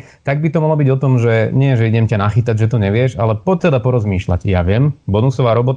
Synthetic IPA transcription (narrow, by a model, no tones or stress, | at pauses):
t̪aɡ̚bit̪ɔmalɔbiɟɔt̪ɔmʒɛɲɪɛʒɛiɟɛmcanaxit̪aɟʒɛt̪ɔɲɛʋɪɛʒa̰lɛpɔt̪ːɛd̪apɔɾɔzmiːʃla̰ɟjaʋɪɛmbɔnusɔʋaːɾɔbɔt̪